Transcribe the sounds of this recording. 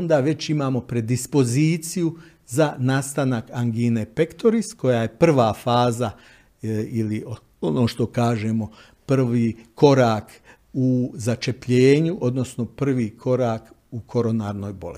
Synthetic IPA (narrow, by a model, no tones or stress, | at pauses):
ond̪aːʋe̞t͡ɕimaːmo̞pɾe̞d̪ispo̞ziːt̪siju | zanaːst̪anakaŋɡinepe̞kt̪oɾisko̞jaje̞pr̩ʋaːfaːza | ilio | ono̞ːʃt̪o̞kaːʒemo̞ | pr̩ʋiːkʰo̞ɾaːk | uzat͡ʃe̞pʎeːɲuʔo̞d̪no̞sno̞pr̩ʋiːkʰo̞ɾaːk | ukʰo̞ɾo̞naːɾno̞ːjbole